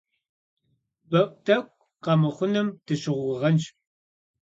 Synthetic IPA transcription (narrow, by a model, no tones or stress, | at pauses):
bɐpʷʼtʰɐkʷʼ | qɐmɨχʷʊnɨmd̥ɨɕɪʁʷʊʁɐnt͡ʃ